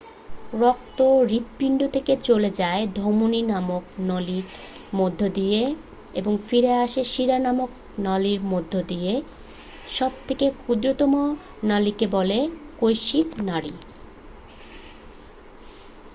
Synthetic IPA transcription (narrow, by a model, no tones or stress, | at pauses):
ɾɔk̚t̪oɾit̪piɳɖot̪ʰeket͡ɕoled͡ʑaed̪ʱomoninamoknɔliɾ | mod̪ʱːod̪ije | eboŋfiɾeaʃeʃiɾanamok | naliɾmod̪ʱːod̪ije | ʃɔb̚t̪ʰekekʰud̪ɾot̪ɔmo | nalikebɔlekojʃit̪naɾi